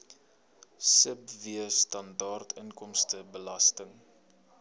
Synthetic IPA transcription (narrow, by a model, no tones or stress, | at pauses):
səpviəstɐndɑːrtʰəŋkɔmstəbəlɐstəŋ